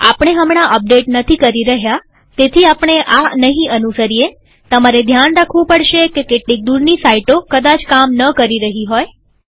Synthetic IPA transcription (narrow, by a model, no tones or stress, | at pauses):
a̰pəɳ̃eɦəmɽ̃aʔəp̚ɖeʈnət̪ʰikəɾiɾəɦja | t̪et̪ʰiapɳ̃eʔanəɦĩʔənusəɾije | t̪əmaɾed̪ʱjanɾakʰʋũpəɽʃekekeʈlik̚d̪uɾnisaiʈokəd̪at͡ʃkamnəkəɾiɾəɦiɦoj